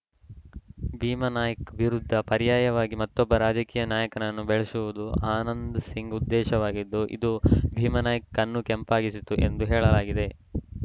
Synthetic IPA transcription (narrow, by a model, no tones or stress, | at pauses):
bʱiːmɐnaːjɐkɐbʱiɾud̪ʱːɐpɐɾijaːjɐʋaːɡimɐt̪ːɔbːɐɾaːd͡ʒɐkiːjɐnaːjɐkɐnɐnːubeɭesuʋud̪uaːnɐnd̪ɐsiŋɡud̪ːɛːʃɐʋaːɡid̪ːuʔḭd̪ubʱiːmɐnaːjɐkːɐnːukɛmpaːɡisit̪uʔe̞̰nd̪uɦɛːɭɐlaːɡid̪e̞